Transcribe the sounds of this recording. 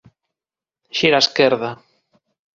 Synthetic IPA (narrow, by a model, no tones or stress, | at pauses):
ʃiɾaskɛɾða